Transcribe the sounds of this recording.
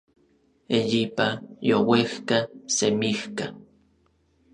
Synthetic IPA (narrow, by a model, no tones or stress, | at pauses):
ejipajowexkasemixka